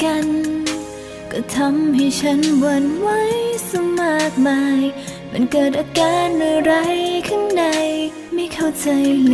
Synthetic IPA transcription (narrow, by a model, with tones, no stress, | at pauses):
ka˧n | kɔː˧˩t̪ʰa˧˥mha˧˩jt͡ɕʰa˦˥nwa˧˩nwa˦˥jsa˧ma˨˩k̚ma˧j | ma̰˧˥nkɤː˨˩t̪̚ʔaː˧kaː˧nːɯː˧˩ɾa˧˥jkʰa˥˩ŋda˧j | ma˧˥˩jkʰa˧˩wt͡ɕa˧jl